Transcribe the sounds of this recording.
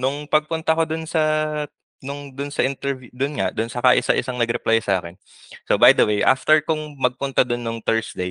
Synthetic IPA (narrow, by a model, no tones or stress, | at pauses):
nʊŋpɐɡ̚pʊnt̪ɐkod̪ʊnsɐ | nʊŋd̪ʊnsɐʔɪnt̪ɛɹvjud̪ʊnŋaʔd̪ʊnsɐkaʔɪsɐʔɪsaŋnɐɡɾɛplajsɐʔa̰ːkɛn | sobajd̪ɐwejʔa̰ːft̪ɛɹkʊŋmɐɡ̚pʊnt̪ad̪ʊnːʊŋt̪ɛɹsd̪ej